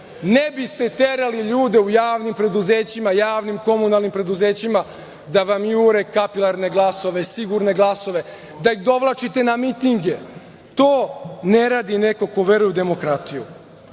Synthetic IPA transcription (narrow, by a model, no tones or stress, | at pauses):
nebist̪e̞t̪e̞ɾaliʎuːd̪e̞ujaːʋnimpɾe̞d̪uzeːt͡ɕimajaːʋnimko̞munalˠnimpɾe̞d̪uze̞ːt͡ɕima | d̪aʋamjuɾe̞kapilˠaɾne̞ɡlˠaso̞ʋesiɡuɾne̞ɡlˠaso̞ʋe̞ | d̪aixd̪o̞ʋlˠat͡ʃit̪e̞namit̪iŋɡe̞ | t̪oːneɾaːd̪ineko̞ko̞ʋe̞ɾujud̪e̞mo̞kɾat̪iju